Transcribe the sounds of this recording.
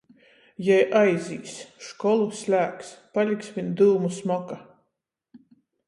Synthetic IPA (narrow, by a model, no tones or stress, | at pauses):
jajʔajzḭːsʃkɔlˠusʲlʲæːkspalʲiksʲmʲind̪ɨːmusmɔka